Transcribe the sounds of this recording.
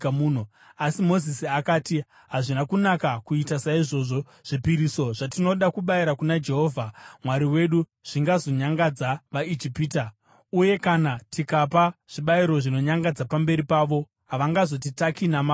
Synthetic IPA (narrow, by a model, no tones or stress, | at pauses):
muːn̤o | asimo̞zisiakaːti | ɦaʐinakunakakuitasaiʐo̞ʐo̞ | ʐ̥ipiɾiso̞ʐatino̞ɗakuɓaiɾakunad͡ʒe̞ɦo̞ːvʱamwaɾiwe̞ɗu | ʐ̥iŋɡazo̞ɲaŋɡad͡zaʋaid͡ʒipiːta | uje̞kanatikapaʐ̥iɓaiɾo̞ʐino̞ɲaŋɡad͡zapambe̞ɾipaːʋo̞ | ɦaʋaŋɡazo̞t̬itakinama